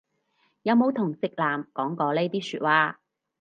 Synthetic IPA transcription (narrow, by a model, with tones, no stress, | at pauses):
jɐ˨˧wmo˨˧wt̪ʰʊ˨˩ŋsɪ˨k̚laː˨˩mkɔː˨˥ŋkɔː˨˧le˥jt̪iː˥syː˧t̚waː˧